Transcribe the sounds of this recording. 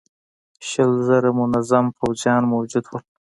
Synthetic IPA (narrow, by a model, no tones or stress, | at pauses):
ʃəlzaɾamʊnazampawzjɑːnmawd͡ʒud̪wəl